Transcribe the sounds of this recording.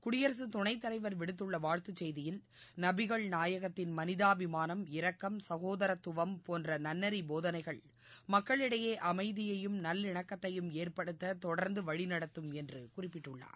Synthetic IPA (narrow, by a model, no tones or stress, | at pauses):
kʊɽɪjɐɾs̬ɯt̪ʊɳɐɪt̪ːɐlɐɪʋɐɾʋɪɽɯt̪ːɯɭːɐʋaːɻt̪ɯt͡ʃːɛjðɪjɪl | nɐbɪɣɐɭnaːjɐɣɐt̪ːɪnmɐnɪðaːʋɪmaːnɐmɪɾɐkːɐmsɐɣoːðɐɾɐt̪ːʊʋɐmpoːndrɐnɐnːɐɾiboːðɐnɐɪɣɐɭ | mɐkːɐɭɪɽɐjeːʔɐmɐɪðɪjɐjɯmnɐlːɪɳɐkːɐt̪ːɐjɯmeːrpɐɽɯt̪ːɐt̪ɔɽɐɾnd̪ɯʋɐɻɪnɐɽɐt̪ːɯmɛndrɯkʊrɪpːɪʈːɯɭːa̰ːɾ